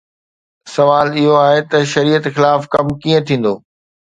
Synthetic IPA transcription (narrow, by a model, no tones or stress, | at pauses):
sɐʋaːlɪɦoaːɦet̪ɐʃɐɾiːət̪xɪlaːfkɐmkĩːə̃t̪ʰĩːn̆d̪oː